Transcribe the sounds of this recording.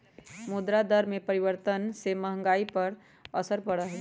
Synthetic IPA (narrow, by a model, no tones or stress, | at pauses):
mud̪ɾad̪əɾmepəɾiʋəɾt̪ənseməɦə̃ŋɡaipəɾ | əsəɾpəɽəɦ